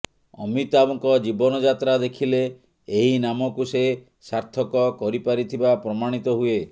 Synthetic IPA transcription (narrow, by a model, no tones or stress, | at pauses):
ɔ̰mit̪abɔŋkɔd͡ʒibɔnɔd͡ʒat̪ɾad̪ekʰileː | ɦinamɔkuse | saɾt̪ʰɔkɔkɔɾipaɾit̪ʰibapɾɔmaɽ̃it̪ɔɦue